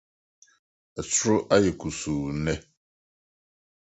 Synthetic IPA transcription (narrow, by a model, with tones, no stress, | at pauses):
ɛ˨t͡sʰʊ˦ɾʊ˦ʔa˦jɛ˨kʰu˨su˨nɛ̃˦